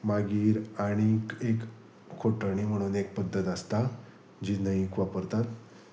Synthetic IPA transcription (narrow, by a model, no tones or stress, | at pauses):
maɡiːɾaɽ̃ikekʰː | oʈəɽ̃im̤əɽ̃unek̚pəd̪ʱːət̪əst̪a | d͡ʑinəɦikʋapəɾt̪at̪